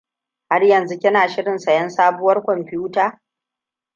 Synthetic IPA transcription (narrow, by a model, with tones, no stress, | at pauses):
ha˦rjɐ˨nzu˦kʲɪ˦naː˨ʃɪ˦ɽɪ˨nsɐ˨jɐ˦nsaː˦bʊ˦wɐ˦rkʷɔ˨mɸɪ˦uː˦taː˦